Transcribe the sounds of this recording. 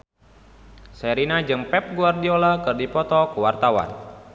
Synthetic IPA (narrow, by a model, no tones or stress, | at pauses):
sɛɾinad͡ʒəŋpɛp̚ɡuardiolakɨrdipɔt̪ɔkuwart̪awa̰n